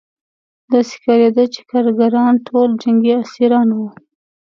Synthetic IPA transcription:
d̪ɑsɪ̥kɑɾed̪ət͡ʃe̥kɑɾɡaɾɑnʈʰold͡ʒaŋɡiasiɾɑnwu

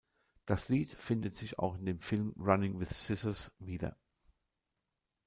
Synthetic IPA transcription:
d̥asliːtfɪndətz̥ɪça̰ʊxɪndeːmfɪlmʁanɪŋwɪθsɪsəsviːdɐ̰

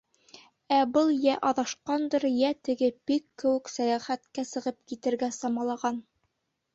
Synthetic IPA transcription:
æbɤlˠjæʔɑðɑʃqɑnd̪ɤɾjæt̪ɘ̆ɡɘb̥ikːɘ̆wɘ̆ksæjæχæt̪kæsɤ̆ʁɤp̚kit̪ɘ̆ɾɡæsɑmɑlˠɑʁɑn

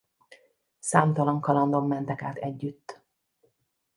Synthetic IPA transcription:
saːmt̪ɒlɒŋkɒlɒnd̪o̞mːɛnt̪ɛkaːt̪ɛɟːyt̪ː

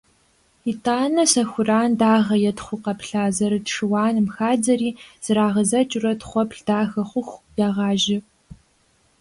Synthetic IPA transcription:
itʰʼaːnɐsɐxʷʊraːndaːʁɐjɛtχʷʊqɐpɬaːzɐɾɨtʂɨwɑːnɨmxaːd͡zɐɾiːz̥ɨɾaːʁɐzɐt͡ʃʼʊrɐtχʷɔpɬd̥aːxɐχʷʊxʷjaːʁɑːʒɪ

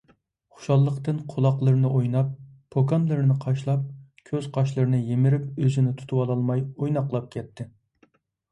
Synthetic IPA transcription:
χʊ̥ʃɑlˠːəqt̪ɨnqʰolˠɑqlˠɨɾɨnɨʔojnɑp̚ʰː | okɑnlˠɨɾɨnɨqʰɑʃlˠɑp̚kʲʰøz̥qʰɑʃ̬lˠɨɾɨnɨjemɪɾɪp̚øzɪnɪt̪ʰu̥t̪ʰuwɑlˠɑlˠmɑjojnɑqlˠɑp̚kʲʰɛt̪ʰːɪ

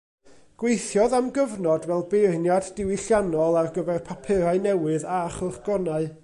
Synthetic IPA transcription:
ɡ̥wejθjɔðamɡəvnɔdvɛlˠbejrnjadːɪwiɬjanɔlˠarɡəvɛrpʰapʰɪɾaɨnɛwɨðaχʊrɡ̥ɔnaɨ

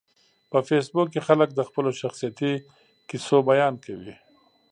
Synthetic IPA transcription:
pəfesbukːexalək̚d̪əxpəloʃaxsijat̪i | kisobajɑːnkawi

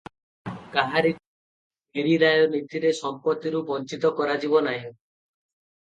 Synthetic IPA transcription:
kaɦaɾi | beɾiɾajɔnit̪iɾesɔmpɔt̪iɾubɔnt͡ʃit̪ɔkɔɾad͡ʒibɔnaɦĩ

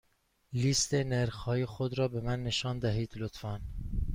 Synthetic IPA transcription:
list̪eneɾxɒːjexod̪ɾɒːbemænːeʃɒːnd̪æɦiːd̪lot̪fæn

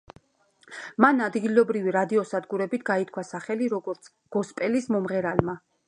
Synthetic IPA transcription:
manad̪ɡilɔbɾiviɾad̪iɔsad̪ɡuɾɛbit̪̚ʰɡait̪̚ʰkʰwasaχɛliɾɔɡɔɾt̪sʰ | ɡ̥ɔspʼɛlismɔmʁɛɾalma

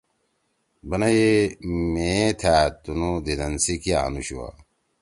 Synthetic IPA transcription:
bɐnɐjemẽt̪ʰaːt̪unud̪id̪ɐnsikia̰nuɕua̰

